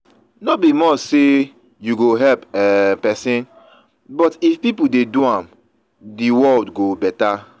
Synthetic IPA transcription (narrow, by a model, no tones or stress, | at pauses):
nobimɔt͡ʃse | juɡoɦɛlpɛpɛsĩn | bɔtifpipudeduãm | diwɔldɡobɛta